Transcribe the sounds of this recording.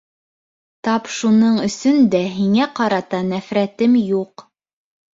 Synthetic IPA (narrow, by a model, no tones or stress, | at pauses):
t̪ɑpʃunɤɴɵ̆sɵnd̪æɦiŋæqɑɾɑt̪ɑnæfɾæt̪ɘmjuq